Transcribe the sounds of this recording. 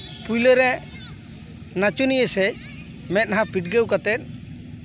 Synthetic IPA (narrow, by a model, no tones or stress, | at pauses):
pujləɾɛ | nat͡ʃunijəsɛc̚ | mɛt̪̚ɦãpiʈ̚ɡɛwkat̪ɛt̪̚ˀ